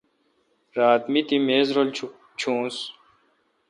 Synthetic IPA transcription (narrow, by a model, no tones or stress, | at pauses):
ɾaːt̪mit̪imeːzɾolt͡ɕʰ | t͡ɕʰũːs